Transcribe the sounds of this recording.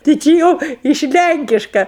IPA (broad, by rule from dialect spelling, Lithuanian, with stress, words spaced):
tʲɪ ˈt͡ʃʲɪ jɛʊ ɪʃ ˈlʲæŋʲkʲɪʃkɐ